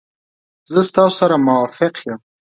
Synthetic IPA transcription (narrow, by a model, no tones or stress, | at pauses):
zəst̪ɑssaɾamʊwɑfɪqjəm